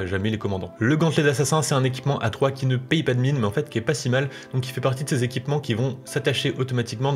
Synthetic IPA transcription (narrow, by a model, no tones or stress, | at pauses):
ʒamɛlekɔmɑ̃d̪ɑ̃ləɡɑ̃t̪led̪asasɛ̃sɛt̪ɛ̃nek̬ʲi̥pmɑ̃ʔat̪χwakʲinəpɛjpad̪əminmɛɑ̃fɛt̪kʲiɛpasimald̪̥ɔ̃k̬ʲifɛpaʁt̪id̪əsezekʲipmɑ̃kʲivɔ̃sat̪aʃeʔot̪ɔmat̪ikmɑ̃